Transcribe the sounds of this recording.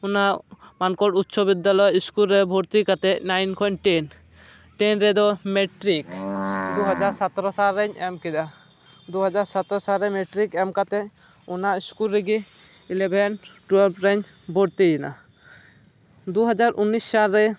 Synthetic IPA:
unaʔmankɔʈut̪ːʃʰɔbid̪ːalɔjiskulɾɛbʱɔɾt̪ikat̪ɛc̚najnkʰɔʈɛn | ʈɛnɾɛd̪ɔmɛʈɾikd̪uɦad͡ʒaɾsat̪ɾɔsalɾːɛɲɛmkid̪a | d̪uɦad͡ʒaɾsat̪ɾɔsalɾɛmɛʈɾikɛmkat̪ɛ | unaiskulɾɛɡi | ilɛbʱɛnʈuɛlpɾɛɲ | bʱɔɾt̪ijɛna̰ | d̪uɦad͡ʒaɾʔunːissalːɛ

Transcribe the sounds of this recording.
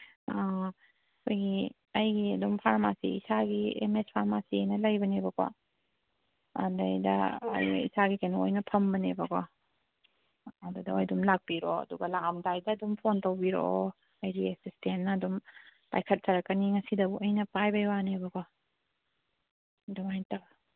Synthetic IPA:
a | kʰojɡi | ɐjɡiɐdumpʰaɾmasḭisaɡiḛmespʰaɾmasinɐlɐjbɐnebɐkɔ̰ | ɐ̰dɐjdɐ̰ːj̰ḭsaɡikanoojnɐpʰɐmbɐnebɐko | ɐdudɐwojdumlak̚piɾoɐ̰duɡɐlamdajdɐːdumpʰontɐwbiɾo̰o | ajɾiesistennɐːdumpa̰jkʰɐt̚sɐɾɐkːɐniŋɐsidɐbuʔɐjnɐpajbɐjwanebɐkɔ | dumajtɐb

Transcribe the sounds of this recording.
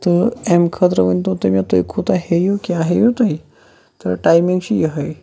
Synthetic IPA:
t̪əɛmkʰət̪ɾəʋənt̪õt̪əmjat̪ojkʰot̪aɦejokjaaɦejot̪aj | t̪əɾʈajmĩŋɡɕijəɦəj

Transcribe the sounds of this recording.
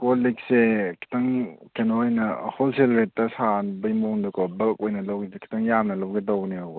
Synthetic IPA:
kolik̚sekʰi̥tɐŋkʰenojnɐholselɾetːɐsanbɐjmoŋdukɔbɐlkojnɐlɐwɡkʰi̥tɐŋjamnɐlɐwɡedawniaw

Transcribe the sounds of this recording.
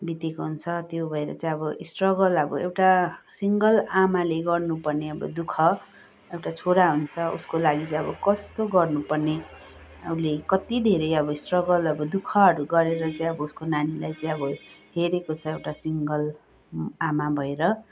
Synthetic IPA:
bit̪ekoɦunt͡sʰʌt̪jobʱʌeɾʌ̰t͡saĩʌbʌʔisʈrʌɡʌlʌbʌ̰ewʈasiŋɡʌlamaleɡʌrnupʌrneʌbʌ̰d̪ukʰʌ | ewʈat͡sʰoɽaɦunt͡sʰʌʔṵskolaɡit͡saj̃ʌbʌkʌst̪oɡʌrnupʌrne | ʌ̰ulekʌt̪id̪ʱeɾʌjʌbʌisʈrʌɡʌlʌbʌd̪ukʰʌɦʌɾuɡʌɾeɾʌt͡sʌĩj̃ʌbʌuskonanilajt͡sʌj̃ʌbʌɦeɾekot͡sʰʌewʈasiŋɡʌl | amabʱʌeɾʌ

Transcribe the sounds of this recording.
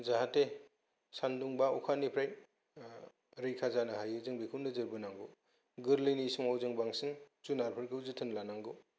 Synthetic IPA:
zaɦate | sanduŋbaukʰanipʰɾaj | ɾɯjkʰazanɯɦajɯzɯŋbikʰunɯzɯɾbɯnaŋɡu | ɡɯɾlinisuŋawzɯŋbaŋsɯnzunaɾpʰɯɾɡɯuzɯtʰɯnlanaŋɡu

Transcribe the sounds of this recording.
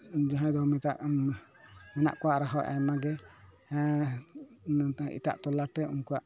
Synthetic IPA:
d͡ʒɔɦãd̪ɔmit̪aʔ | mɛna̰ʔkɔwaʔɾaɦɔw̰ʔa̰jmaɡɛ̃ | ḭʈa̰ʔt̪ɔlaʈːɛṵnkuwaʔ

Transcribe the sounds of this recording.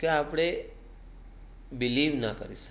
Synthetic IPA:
keapɽ̃e | biliʋnakəɾis

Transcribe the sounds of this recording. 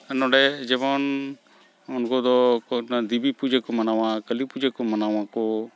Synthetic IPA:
ənɔ̃ɖɛd͡ʒebɔn | ʊnkod̪ɔknad̪ibipud͡ʒekomənaʋãkəlipud͡ʒekomənaːʋãko

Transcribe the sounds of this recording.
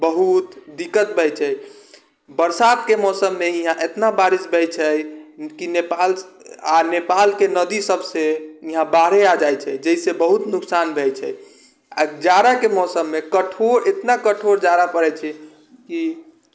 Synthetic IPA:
bəɦut̪d̪ikːət̪̚bʱɛjt͡ʃʰɛ | bəɾsat̪kemɔsəmːeiɦãʔet̪nabaɾisbʱɛjt͡ʃʰɛkinepal | anepalkenəd̪isəbsẽiɦãbaɾead͡ʒajt͡ʃʰɛd͡ʒɛisebəɦut̪nuksanbʱɛjt͡ʃʰɛ̰ | a̰d͡ʒaɾakemɔsəmːekəʈʰoɾet̪nakəʈʰoɾd͡ʒaɾapəɾɛt͡ʃʰɛ | ki

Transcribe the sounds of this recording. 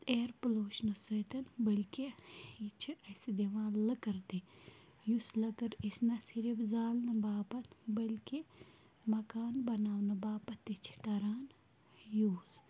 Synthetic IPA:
eːɾploːʃnɐsəjt̪ɐnbɐlʲkiit͡ʃʰiɐsid̪eʋãːləkɐɾt̪i | juslɐkɐɾisnɐsiɾibzaːlnɐbaːpɐt̪bɐlki | mɐkaːnbɐnaːwnɐbaːpɐt̪it͡ʃʰi̥kɐɾaːn | juːz

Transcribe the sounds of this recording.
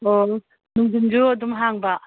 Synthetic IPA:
o | nuŋdɯnd͡ʒuadumɦaŋbaʔ

